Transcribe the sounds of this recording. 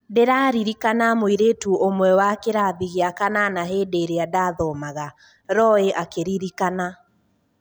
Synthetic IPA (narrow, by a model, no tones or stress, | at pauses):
deɾaːɾiɾikanamoiɾetuʔomwɛwakeɾaðiɣeakananaɦeːdeːɾeadaðɔmaɣa | ɾɔeʔakeɾiɾikana